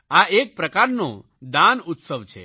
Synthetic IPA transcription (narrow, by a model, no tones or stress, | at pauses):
aek̚pɾəkaɾno | d̪anut̪səʋt͡ʃʰɛ̰